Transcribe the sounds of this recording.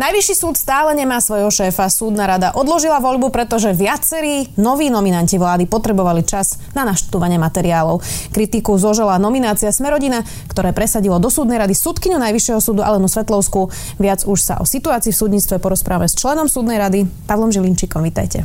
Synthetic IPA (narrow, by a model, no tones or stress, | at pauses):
najʋiʃiːsuːt̪st̪aːlɛɲɛmaːsʋɔjɦɔʃɛːfasuːd̪naɾad̪aʔɔd̪lɔʒilaʋɔʎbupɾɛt̪ɔʒɛʋɪat͡sɛɾiːnɔʋiːnɔminanciʋlaːd̪ipɔt̪ɾɛbɔʋalit͡ʃaz | nanaʃt̪uʋaɲɪɛmat̪ɛɾiaːlɔʊkɾit̪ikuzɔʒɛlanɔminaːt͡siasmɛɾɔɟina | kt̪ɔɾɛːpɾɛsaɟilɔd̪ɔsuːd̪nɛjɾad̪isuːt̪kiɲunajʋiʃjɛɦɔsuːd̪uʔa̰lɛnɔsʋɛt̪lɔʊsku | ʋɪad͡zuʃsa̰ʔɔ̰sit̪uaːt͡siːfsuːd̪ɲit͡st̪ʋɛpɔɾɔspɾʔaːʋamɛst͡ʃlɛnɔmsuːd̪nɛjɾad̪ipaʋlɔmʒilint͡ʃikɔmʋit̪a̰jcɛ̰